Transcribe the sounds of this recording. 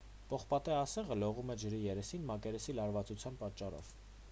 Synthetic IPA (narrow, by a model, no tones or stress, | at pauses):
pɔχpɑt̪ɛɑsɛʁəlɔʁumɛd͡ʒəɾijɛɾɛsinmɑkɛɾɛsilɑɾvɑt͡sut͡sʰjɑnpɑt͡ʃːɑɾɔ̰v